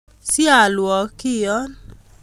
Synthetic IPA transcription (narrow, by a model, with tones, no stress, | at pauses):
si˦a˨lwɔ˨ki˦˨jɔ˦n